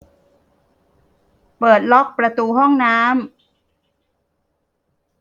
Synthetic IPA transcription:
pɤː˨˩t̪̚lɔ˦˥k̚pɾa˧t̪uː˧ɦɔ˥˩ŋnaː˦˥m

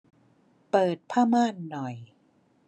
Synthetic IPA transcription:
pɤː˨˩t̪̚pʰaː˥˩maː˥˩nːɔ˨˩j

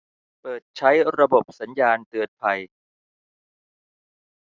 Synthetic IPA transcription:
pɤː˨˩t̪̚t͡ɕʰa˦˥jɾa˧bo˨˩p̚sa˩˦njaː˧nt̪ɯ˨˩ən̚pʰa˧j

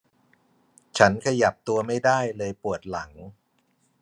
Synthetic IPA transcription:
t͡ɕʰa˦˥nkʰa˧ja˨˩p̚t̪u˧ɐma˥˩jdaː˥˩jlɤː˧jpu˨˩ət̪̚la˩˦ŋ

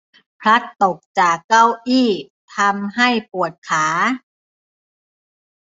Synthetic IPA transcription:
pʰɾa˦˥t̪ːo˨˩k̚t͡ɕaː˨˩kːa˥˩wʔiː˥˩ | t̪ʰa˧mɦa˥˩jpu˨˩ət̪̚kʰaː˩˦

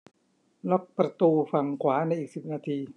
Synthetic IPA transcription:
lɔ˦˥k̚pɾa˧t̪uː˧fa˨˩ŋkʰwaː˩˦na˧jʔiː˨˩k̚si˨˩p̚naː˧t̪ʰiː˧

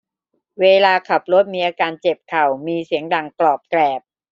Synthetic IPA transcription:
weː˧laː˧kʰa˨˩p̚lo˦˥˩t̪̚miː˧˥ʔaː˧kaː˧nt͡ɕe˨˩p̚kʰa˨˩wmiː˧si˨˩˦əŋda˨˩ŋklɔː˨˩p̚klɛː˨˩p̚

